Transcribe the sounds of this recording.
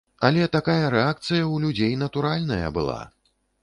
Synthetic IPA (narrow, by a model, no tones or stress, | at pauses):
ɐlʲɛt̪akajɐɾɛak̚t̪sɨjɐwlʲud͡zʲejnɐt̪uɾalʲnɐjɐ̰bɨ̰lˠa̰